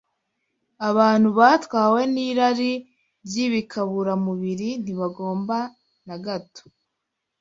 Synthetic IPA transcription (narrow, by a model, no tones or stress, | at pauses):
aβaːn̥huβaːtwaːwe̞niːɾaɾi | bjiβikʰaβuɾamuβiɾin̥iβaɡo̞ːmba | naɡato̥